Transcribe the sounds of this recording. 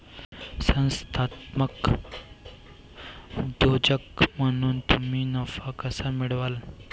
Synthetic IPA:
sɐ̃nst̪ʰaːt̪mək | ud̪oːd͡ʒəkmɐnunt̪uminɐfakɐsamiɽʋaːl

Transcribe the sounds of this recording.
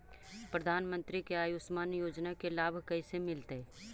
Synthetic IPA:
pɾɐd̪ʱaːnmə̃nt̪ɾikeaːjʊsmaːnjoːd͡ʒnakelaːbʱkɐisemɪlt̪e

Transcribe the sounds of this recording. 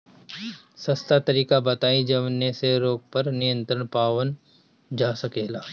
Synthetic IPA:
sɐst̪at̪ɐɾiːkabɐt̪aːid͡ʒɐʋnːeseɾoːɡ̚pɐɾnɪjə̃nt̪ɾəɽ̃paːʋən | d͡ʒaːsɐkeːlaː

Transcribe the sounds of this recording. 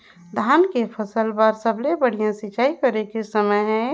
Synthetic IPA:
d̪ʱaːnkepʰəsəlbəɾsəblebəɽ̤ijãsɪt͡ʃaːikəɾekesəməɦɛ̃

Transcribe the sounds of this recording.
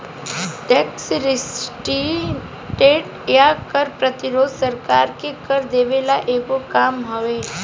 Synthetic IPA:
ʈɛːksɾɪsʈi | ʈeːʈ | jakəɾpɾət̪ɪɾoːd̪ʱsɐɾkaːɾkekəɾd̪eːʋelaʔeːkokaːmɦɐʋeː

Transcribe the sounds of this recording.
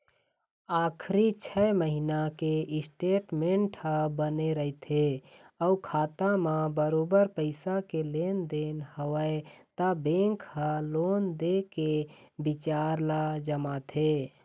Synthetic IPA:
aːkʰɾit͡ʃʰɛməɦinakeɪsʈeːʈmẽɳʈhəbəneɾəɦit̪ʰeəukʰaːt̪amãbəɾoːbəɾpəɪsakeleːnd̪eːnhəʋəet̪abẽːŋkhaloːnd̪ekebɪt͡ʃaːɾlad͡ʒəmat̪ʰe

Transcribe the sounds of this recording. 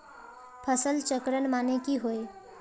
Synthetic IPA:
pʰəsəlt͡ʃəkɾəɳmanekiɦoe

